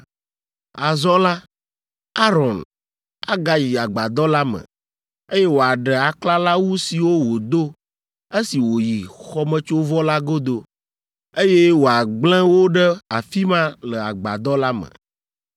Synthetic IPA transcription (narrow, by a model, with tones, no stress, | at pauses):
a˨zɔ̃˦la˦ | a˦ɾɔ̃˨n | a˦ɡa˦ji˨a˨ɡ͡ba˨d̪ɔ˦la˦mə̰̃˨ | e˦je˦wo˨a˨ɖə˨a˨kla˦la˦wu˦si˨wo˦wo˨d̪o˦ | e˦si˨wo˨ji˨xɔ˦mə̃˦t͡ʃo˦vɔ˦la˦ɡo˦d̪o˦ | e˦je˦wo˨a˨ɡ͡bl̃ɛ̃˦wo˦ɖə˦a˨fi˦mã˦lə˨a̰˨ɡ͡ba̰˨d̪ɔ˦la˦mə̰̃˨